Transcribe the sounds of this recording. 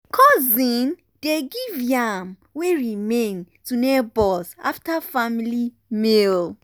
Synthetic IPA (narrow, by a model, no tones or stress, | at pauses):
kʰɔzĩn | d̥eɡivjam | weɹimẽntunɛbɔlsa̰ftafamili | mel